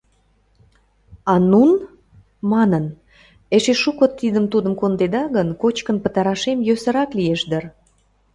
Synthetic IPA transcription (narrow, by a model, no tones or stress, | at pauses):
ɑnun | mɑnən | eʃeʃukot̪ːid̪əmt̪ud̪əmkond̪ed̪ɑɣənkot͡ɕkənpə̆t̪ɑɾɑʃemjøsə̆ɾɑklieʃd̪ər